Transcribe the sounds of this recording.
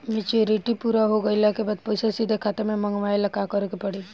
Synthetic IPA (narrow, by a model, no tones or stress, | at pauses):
mɪt͡ʃiɾiʈipuɾaɦoɡəiləkebaːd̪̚poːsesid̪ʱekʰat̪emẽmɐ̃ŋɡʋaːelɐkakəɾokepɐɽi